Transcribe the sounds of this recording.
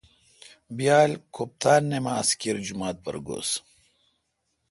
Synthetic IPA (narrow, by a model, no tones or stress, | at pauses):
bijaːlkʰoːp̚t̪aːnːemaːskiɾd͡ʑumaːt̪̚bɐ̰ɾɡo̰ːs